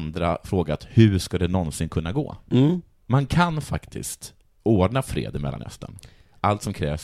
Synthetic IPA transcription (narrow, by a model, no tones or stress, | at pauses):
nd̪ɾa̰fɾoːɡat̪hɵʂkad̪ɛnɔnsɪnkʰɵnːaɡo̰ː | mankʰanfakt̪ʰɪ̰st̪ | oːɖɳafɾḛːd̪ɪmɛlːanhœ̰st̪ʰə̰n | ʔalt̪sɔmkʰɾɛ̰ːvs